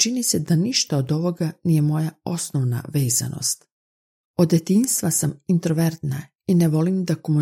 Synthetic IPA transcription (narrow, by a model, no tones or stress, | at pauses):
t͡ʃinised̪aniʃt̪aod̪o̞ʋo̞ɡanijemo̞jao̞snoʋna̰ʋe̞ːza̰no̞̰st̪ | o̞d̪je̞t̪inst̪ʋasamint̪ɾoʋeɾt̪na | ineʋo̞limd̪akomu